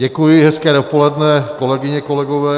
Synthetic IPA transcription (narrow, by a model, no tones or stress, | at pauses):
ɟɛkujɪɦɛskɛːdopo̞lɛdnɛko̞lɛɡɪɲɛko̞lɛɡovɛː